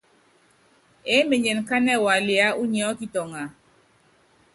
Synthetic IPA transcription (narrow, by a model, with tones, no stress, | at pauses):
e˨˦me˨ɲe˨n˨ka˦nɛ˦˨wa˨li˨a˦u˦ɲ˦ɔ˦ki˦tɔ˨ŋa˨